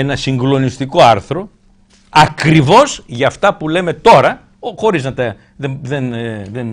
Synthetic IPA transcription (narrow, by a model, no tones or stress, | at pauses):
enɐsiŋɡlo̞nist̪iko̞ɐɾθɾo̞ | ɐkɾivo̞zʝɐft̪ɐpule̞me̞t̪o̞ɾɐ | xo̞ɾiznɐt̪ɐ | ðeðenðen